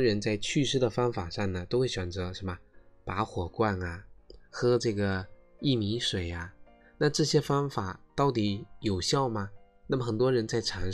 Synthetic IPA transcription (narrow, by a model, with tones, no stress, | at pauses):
ɻə˧˥nt͡sa˥˧ɪt͡ɕʰy˥˧ʂɻ̩˥d̪ə˨fɑ˥ŋfa˨˩ʂɑ˥˩ŋnə˩t̪o˥ʊxe˥˩ɪɕɥɛ˨˩nt͡sɤ˧˥ʂə˧˥mə˧pa˧˥xwɔ˨˩kwa˥˩na˩xɤ˥ʈ͡ʂɤ˥˩ɡə˩i˥˩mi˧˥ʂwe˨˩ɪa˦ | na˥˧ʈ͡ʂɤ˥˩ɕjɛ˥fɑ˥ŋfa˨˩˦t̪ɑ˥˩ʊt̪i˧˥jo˨˩ʊɕjɑ˥˩ʊmɐ˩ | na˥˩mə˩xə˨˩nt̪wɔ˥ɻə˧˥nt͡sa˥˩ɪʈ͡ʂʰa˧˥n